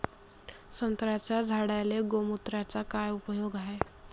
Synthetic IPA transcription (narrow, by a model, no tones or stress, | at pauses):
sənt̪ɾat͡ɕad͡zʱaɽajleɡomut̪ɾat͡sakajupəjoɡaɦe